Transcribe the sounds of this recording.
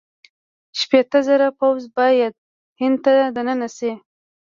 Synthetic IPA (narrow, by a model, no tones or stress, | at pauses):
ʃpet̪əzəɾapawzbɑjad̪̚ | hɪnd̪̚t̪ad̪ənənase